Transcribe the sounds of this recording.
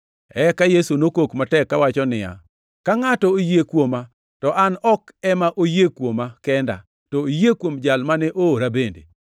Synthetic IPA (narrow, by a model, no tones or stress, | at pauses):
ɛkajesunokokmatɛkːawat͡ʃɔnɪja̰ | kaŋatɔojekwoma | tɔʔanɔkɛmaʔojekwomakɛnda̰ | tɔojekwomd͡ʒalmanɛʔoːɾabendḛ